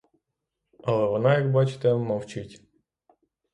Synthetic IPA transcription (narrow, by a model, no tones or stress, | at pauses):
ɐlˠɛʋɔnajaɡbat͡ʃɪ̥t̪ɛmɐwt͡ʃɪtʲ